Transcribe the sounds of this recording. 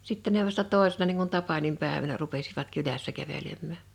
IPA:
sitːe ne ʋɑstɑ toˑesenɑ niːŋ kun tɑpɑnimpæˑeʋænæ rupesiʋɑt kylæsːæ kæʋelemːæˑ

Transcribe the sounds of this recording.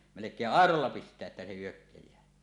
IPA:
melekˑeːʔ ʔɑˑerolːɑ pistˑeæ ʔetːæ se hyøkːejˑæː

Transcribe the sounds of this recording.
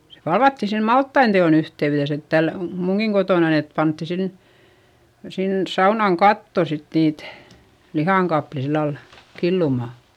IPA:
se pɑlʋɑtːi sem mɑltːɑin teon yhteyðes et tæl muŋɡ̊iŋ ɡ̊otoˑnɑn et pɑntːi sin sins sɑunɑŋ kɑtːo sit niːt lihɑˑŋ kɑpli silːɑl kilːumɑˑ

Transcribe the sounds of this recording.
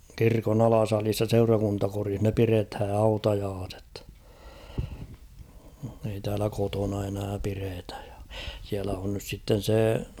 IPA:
kirkon ɑlɑsɑlis jɑ seurɑkuntɑkorih ne pirethæ hɑutɑjɑːset ei tæːlæ kotonɑ enæː piretæ̥j̊ j̊ɑ̥ siælæ on nys sitːen̞ seˑ

